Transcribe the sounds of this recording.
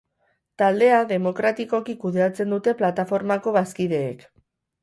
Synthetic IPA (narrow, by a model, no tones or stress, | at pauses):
t̪ald̪e̞aðe̞mo̞kɾat̪iko̞kikuðe̞at͡se̞nd̪ut̪e̞plat̪afo̞ɾmako̞βaskiðe̞̰ːk